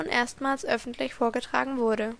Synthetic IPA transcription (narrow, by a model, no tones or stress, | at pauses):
nʔḛːɐstmaːlsʔœfn̩tʰlɪçfoːɐɡətʁ̥a̰ːɡŋ̩vʊɐɾə